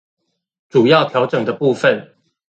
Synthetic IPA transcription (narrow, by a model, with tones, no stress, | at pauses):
ʈ͡ʂu˨˩jɑ˥˨ʊt̪ʰjɑ˧˥ʊʈ͡ʂɤ˨˩ŋd̪ə˩pu˥˨fə˥˨n